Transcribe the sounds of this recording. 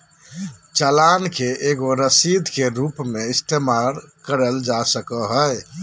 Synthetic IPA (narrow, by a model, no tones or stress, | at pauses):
t͡ʃalankeʔeɡoɾəsid̪ʱkeɾupmeist̪ʰemaɾkəɾəld͡ʒasəkəɦəj